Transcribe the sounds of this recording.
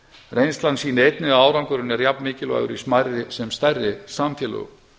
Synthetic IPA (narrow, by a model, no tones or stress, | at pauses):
rejnst̪lansiːnɪejt̪nɪɣaaːwɾawŋkʏɾɪnɛɾjapnmɪːcɪlva̰ːɣʏ̰ɾismajrɪsɛmst̪ajrːɪsaːmfjɛːlʏ̰ɣ̰